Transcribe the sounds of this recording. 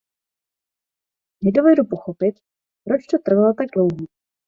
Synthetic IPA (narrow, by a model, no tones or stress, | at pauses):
nɛdo̞vɛdupoxopɪt̪ | pɾot͡ʃt̪ot̪r̩valot̪aɡ̚dlowɦi